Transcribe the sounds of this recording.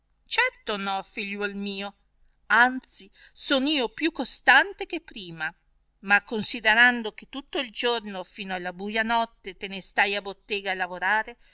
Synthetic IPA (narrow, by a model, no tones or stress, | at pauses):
t͡ʃɛrt̪onɔfiʎːwɔlmiːo | ant̪si | soːniːopjukːost̪ant̪ek̟epːɾiːma | makːonsid̪eɾand̪ok̟et̪ːut̪ːoild͡ʒornofiːnoalːabuːjanɔt̪ːet̪enest̪ajabot̪ːeːɡaːlavoɾaːɾe